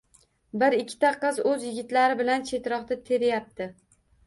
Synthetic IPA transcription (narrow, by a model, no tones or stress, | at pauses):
bɪɾɪkʲʰːɪ̥t̪ʰaqʰɨzɵzjɪɡʲɪt̪laɾɪbɪlant͡ʃʰe̞t̪ɾɒqt̪at̪ʰe̞ɾɪjap̚t̪ɪ